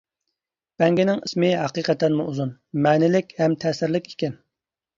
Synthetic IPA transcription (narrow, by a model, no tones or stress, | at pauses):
b̥ɛŋɡʲinɪŋismɪɦɑqiqət̪ːɛnmuuzunmɛːnɪlɪkʲhɛmt̪ʰɛːsɪɾlɪkʲi̥kʲɛn